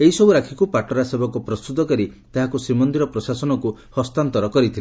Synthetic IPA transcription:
eɦisɔbuɾakʰikupaʈɔɾasebɔkɔpɾɔst̪ut̪ɔkɔɾit̪aɦakusɾimɔnd̪iɾɔpɾɔsasɔnɔkuhɔst̪ant̪ɔɾɔkɔɾit̪ʰil

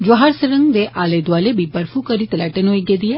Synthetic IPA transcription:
d͡ʒaɦaːɾsəɾəŋɡd̪eːʔʔaːleːd̪ʊʋaːleːbiːbəɾfʰuːkəɾiːt̪əlɛːʈənɦoːiːɡɛːd̪iːɛː

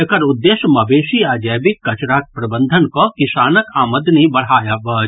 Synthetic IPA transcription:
əkɐɾʊd̪ːeːʃmɐbeːʃiaːd͡ʒəjbɪkːɐt͡ʃɾaːk̚pɾɐbə̃nd̪ʱənkokɪsaːnəkaːməd̪nibɐɽ̤ɦaːjabɐː

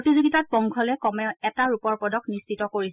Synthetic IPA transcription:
otizoɡitat̚bɔŋkʰɔlɛkɔmɛʊɛtaɹupɔɹpɔdɔknistitɔkoɹis

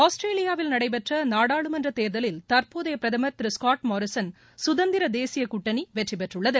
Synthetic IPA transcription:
aːsʈɾeːlɪjaːʋɪlnɐɽɐɪp̬ɛʈrɐnaːɽaːɭɯmɛndrɐt̪eːɾðɐlɪlt̪ɐɾpoːðɐjɐpɾɐðɐmɐɾt̪ɪɾɪskaːʈmɔːɾɪsɐn | sʊðɐnd̪ɪɾɐd̪eːsɪjɐkʊʈːɐniʋɛʈripɛʈrɯɭːɐðɯ

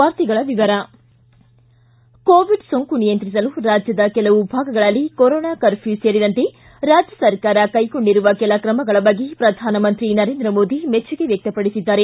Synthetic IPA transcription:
aːɾt̪iɡɐɭɐʋiʋɐɾɐ | koːʋiɖsoŋkunijɐnt̪ɾis̬ɐluɾaːd͡ʒjɐd̪ɐkɛlɐʋubʱaːɡɐɡɐɭɐlːikoɾoːnaːkɐɾpʰuseːɾid̪ɐnt̪e̞ | ɾaːd͡ʒjɐsɐɾkaːɾɐkɐjko̞ɳɖiɾuʋɐkɛlɐkɾɐmɐɡɐɭɐbɐɡːepɾɐd̪ʱaːnɐmɐnt̪ɾinɐɾeːnd̪ɾɐmo̞ːd̪imet͡ʃːuɡe̞ʋjɐk̚t̪ɐpɐɽisid̪ːaːɾe

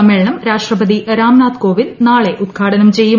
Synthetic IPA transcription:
ɐmeːɭɳɐmɾaːʂʈrɐbɐd̪iʔɾaːmnaːt̪ko̞ːʋinnaːɭe̞ʔud̪̚kʰaːɽɐnɐmt͡ɕe̞jːu

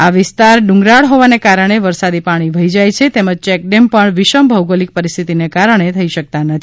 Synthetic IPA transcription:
aʋɪst̪aɾɖũŋɡɾaɭɦoʋanekaɾəɽ̃eʋəɾsad̪ipaɽ̃iʋʱəid͡ʒajt͡ʃʰet̪eməd͡ʒt͡ʃɛk̚ɖempəɳʋɪʃəmbʱəwɡəlik̚pəɾist̪ʰit̪inekaɾəɳ̃et̪ʰəiʃək̚t̪anət̪ʰ

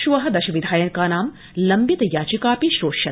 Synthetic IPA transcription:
ʃuʋɐɦɐd̪ɐʃɐʋid̪ʱaːjɐnkaːnaːm | lɐmbit̪ɐjaːt͡ʃikaːpiʃɾoːʃɐ

